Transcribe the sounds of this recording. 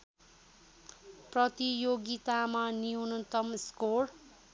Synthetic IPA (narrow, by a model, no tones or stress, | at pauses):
prʌt̪ijoɡit̪amaniunʌt̪ʌmskor